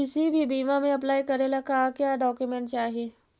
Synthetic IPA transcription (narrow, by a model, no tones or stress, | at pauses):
isibʱiːbimameəplajkəɾelakakjaɖɔkjumeɳʈt͡ɕeaɦe